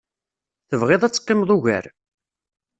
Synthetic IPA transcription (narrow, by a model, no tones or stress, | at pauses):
θəvʁɪðˤæt͡sːə̥qːɪmðˤuʝæ̰ɾ